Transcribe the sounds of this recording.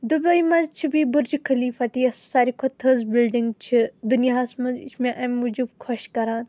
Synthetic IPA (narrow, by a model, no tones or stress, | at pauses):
d̪ubɐimɐ̃t͡ʃʰibibʊɾd͡ʒikʰɐliːfɐt̪iɐssaːɾikʰot̪ʰɐzbilɖiŋɡt͡ʃʰid̪unijaːsmɐnzḭsmẽʔɐmud͡ʒubkʰɔʃkɐɾaːn